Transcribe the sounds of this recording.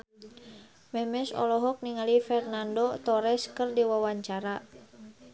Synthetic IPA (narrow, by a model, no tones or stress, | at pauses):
mɛmɛsɔ̰lɔɦɔk̚niŋalifɛrnandot̪ɔɾɛskərdiwawaɲt͡ʃaɾa